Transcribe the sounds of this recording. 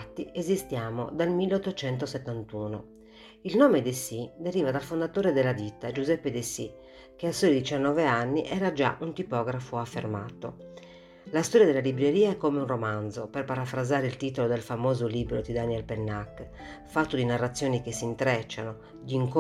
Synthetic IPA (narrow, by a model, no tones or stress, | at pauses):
t̪ːiʔezist̪jaːmo̰d̪almilːeot̪ːot͡ʃɛnt̪oset̪ːant̪uːno | ilnoːmed̪esid̪eɾiːvad̪alfond̪at̪oːɾed̪elːad̪it̪ːad͡ʒuzɛpːed̪esḭ | keasojd̪it͡ʃanːɔːveanːiʔɛːɾad͡ʒa̰ʔunt̪ipɔːɡɾafoafːḛrmaːt̪o̰ | last̪ɔɾjad̪elːalibɾeɾiːaɛkːomeunromand̪zoperpaɾafɾazaːɾeilt̪iːt̪olod̪elfamoːzoliːbɾod̪id̪aniɛlpenːakː | fat̪ːod̪inarːat̪sːjoːnikesːint̪ɾɛt͡ʃːano | d̪iːŋk